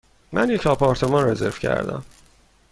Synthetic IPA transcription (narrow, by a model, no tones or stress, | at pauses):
mʔænjecʰɒpʰɒːɾt̪ʰe̞mɒnreze̞̰ɾv̥cʰæ̰ɾd̪æ̰m